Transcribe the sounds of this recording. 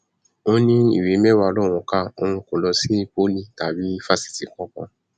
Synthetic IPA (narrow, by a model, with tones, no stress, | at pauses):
o˦nĩ˦ḭ˦˨we˨˦mɛ˦wa˧lɔ˦˨w̃ɔ̃˧ka˦˨o̰˧hũ˧ko˨lɔ˧si˦˨po˦lĩ˦˨ta˨bi˨˦fa˦si̥˨ti˨˦kɔ̃˦kɔ̰̃˧